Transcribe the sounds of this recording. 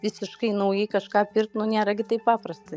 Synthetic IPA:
ʋʲɪsʲɪʃkɐɪnɐʊjɛɪkɐʃkɑːpʲɪrt̪nʊnʲeːɾɐɡʲɪt̪ɐɪppɑːpɾɐst̪ɐɪ

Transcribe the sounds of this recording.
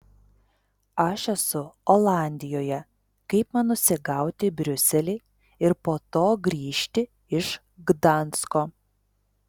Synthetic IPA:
ɐʃɛsʊolˠɑˑnʲd̪ʲɪjoːjɛ | kɐɪpmɐnʊsʲɪɡɑˑʊt̪ʲɪbʲɾʲʊsʲɛlʲɛɪ | ɪɾpoːt̪oːɡɾʲiːʃʲt̪ʲɪ | ɪʃ | ɡd̪ɑˑnˑskoː

